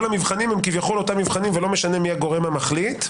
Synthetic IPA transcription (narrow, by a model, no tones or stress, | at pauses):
lamivχanimhemkivjaχo̞lo̞tamivχanimvelo̞meʃanemiaɡo̞ʁe̞mamaχlit̪